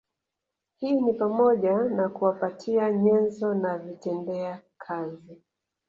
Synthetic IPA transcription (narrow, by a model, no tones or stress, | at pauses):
hiːnipamɔʄanakuwapatʰiaɲɛnzɔnavitɛndɛakʰazi